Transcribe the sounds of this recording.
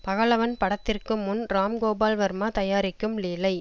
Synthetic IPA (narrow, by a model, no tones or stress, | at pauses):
pɐɣɐɭɐʋɐnpɐɽɐt̪ːɪrkɯmːʊnɾaːmɡoːbaːlʋɐɾmaːt̪ɐjaːɾɪkːɯmliːlɐɪ